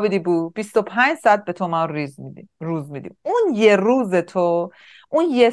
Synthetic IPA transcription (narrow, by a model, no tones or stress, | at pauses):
bid̪ibuːb̥ist̪opʰænd͡ʒsɒd̪̚bet̪ʰomaɾizruːzmid̪ḭmunjeɾuːzet̪ʰo | ʔunje